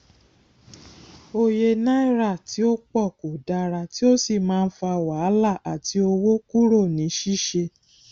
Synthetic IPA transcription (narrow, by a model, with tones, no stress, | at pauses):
o˧je˧nã˦i˦˨ɾa˦˨ti˨˦o˦k͡pɔ˦˨ko˨da˧ɾa˧ti˦o˦si˦˨mãː˦˧n̩˦fa˧wa˨˦la˦˨ʔa˨ti˧o˧wo˦ku˦ɾo˦˨nĩ˨˦ʃi˦˨ʃe˧